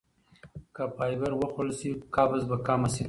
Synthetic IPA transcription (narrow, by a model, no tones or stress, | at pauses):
kapɑːjbaɾwəxolsikɑbazbakaːmasi